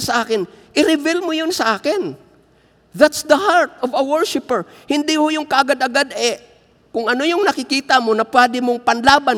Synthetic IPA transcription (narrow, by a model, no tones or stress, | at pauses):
sɐʔaːkɪnʔɪɾɪvɛlmojonsɐʔaːkɪn | ðat̪sd̪ɐhaɹt̪̚ovɐwɛɹʃɪpɛɹ | hɪnd̪ɪhojʊŋkɐʔɐɡad̪ɐɡad̪ʔɛ | kʊŋɐno̞jʊŋnɐkɪkiːt̪ɐmonɐpwɛːd̪ɪmoŋpɐnlaːban